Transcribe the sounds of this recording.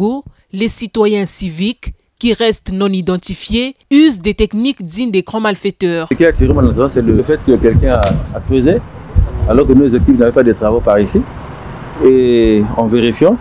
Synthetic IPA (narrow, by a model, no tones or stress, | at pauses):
o | lesit̪wajɛ̃sivikː | iʁɛst̪nɔ̃nid̪ɑ̃t̪ifjeyzd̪et̪ɛknikd̪id̪eɡʁɑ̃malfɛt̪œːʁəkʲiat̪iʁemãnãt̪dɔ̃sɛləfɛt̪kəkɛlkɛ̃aːkχøzealɔʁkənozɛk̚t̪ifnavɛpad̪ət̪χavopaʁisi | eɑ̃veʁifjɑ̃